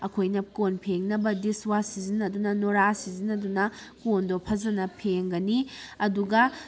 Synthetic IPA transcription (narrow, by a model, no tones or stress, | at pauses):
ɐkʰojnɐkonpʰeŋnɐbɐdiswasizinɐdunɐnoɾasizinɐdunɐkondopʰɐzɐnɐpʰeŋɡɐniɐduɡɐ